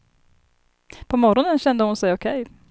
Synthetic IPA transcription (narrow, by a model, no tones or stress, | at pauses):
pʰɔmɔɾɔnənɕɛnd̪əhʊnsɛjɔkʰɛj